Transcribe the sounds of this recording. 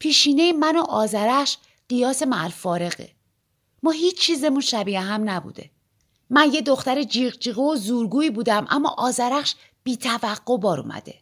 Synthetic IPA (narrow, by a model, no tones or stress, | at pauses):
pʰiːʃiːne̞jemænoʔɒːzæɾæʃ | ɢ̥ijɒːse̞mælfɒːɾe̞ɣḛ | mɔːhiːt͡ʃt͡ʃʰːiːze̞munʃæbiæɦæmnæbṵːd̪e̞̰ | mænje̞d̪o̞xt̪æɾed͡ʒiːɣd͡ʒiːɣeozuːɾɡuːiːbuːd̪æmʔæ̰mːɒ̰ʔɒːzæɾæχʃ | b̥iːt̪ʰævæɢːo̞bɒːɾṵmʔæ̰d̪e̞̰